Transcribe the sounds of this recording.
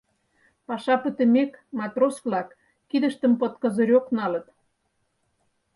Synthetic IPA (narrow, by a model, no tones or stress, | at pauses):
pɑʃɑpət̪ə̆mʲekmɑt̪rosvlɑkː | id̪ə̆ʃt̪ə̆mpə̆t̪kə̆zə̆ɾʲoknɑlə̆t̪